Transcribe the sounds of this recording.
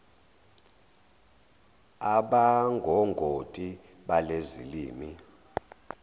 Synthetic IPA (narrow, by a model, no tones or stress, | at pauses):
aɓaŋɡʱɔŋɡʱotʼiɓalezḭliːmi